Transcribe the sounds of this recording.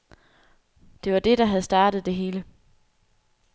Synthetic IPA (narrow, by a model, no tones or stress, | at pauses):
d̥e̝ʋɑ̈d̥e̝ɾ̥ɑ̈ɦæð̞̩ˠsd̥ɑ̈ːd̥ð̩ˠd̥e̝ɦe̝ːlə